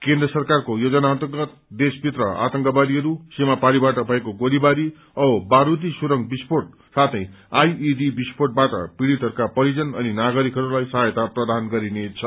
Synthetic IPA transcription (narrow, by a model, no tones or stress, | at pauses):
kend̪rʌsʌrkarkojod͡zʌnaʌnt̪ʌrɡʌt̪̚d̪esbit̪rʌa̰t̪ʌŋkabad̪iɦʌɾusemapalibaʈʌbʱʌekoɡolibaɾi | ʌbaɾud̪isuɾʌŋɡbisporʈ̚ | sat̪ʰʌj̃ | ajidibisporʈ̚baʈʌ̰piɽit̪ɦʌɾukapʌɾid͡zʌnʌninaɡʌɾikɦʌɾulajsʌɦjʌt̪aprʌd̪anɡʌɾinet͡sʰʌ